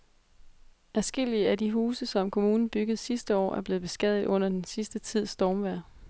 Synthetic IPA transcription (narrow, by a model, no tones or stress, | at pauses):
æsɡ̥e̝l̰iəædiɦuːsəsɒ̽mkʰo̝muːnn̩b̥yɡ̥əð̩ˠsisd̥əɒ̰ːæɐb̥le̝ːð̞̩ˠb̥e̝sɡ̥ɛð̰ˠð̩ˠɔ̽n̰ɐd̥ensisd̥ət͡sʰið̞̰ˠsd̥ɒːmʋæɐ̰